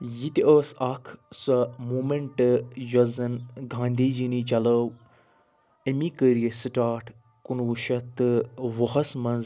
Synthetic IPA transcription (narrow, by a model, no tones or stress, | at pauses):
jit̪iəːsɐkʰsɐmuːmeɳʈɨjɐzɐnɡʱãːnd̪iːd͡ʒinid͡ʒɐləw | emikəɾijesɨʈaːʈʰ | kunʋuʃɐt̪ɨʋɐɦɐsmɐnz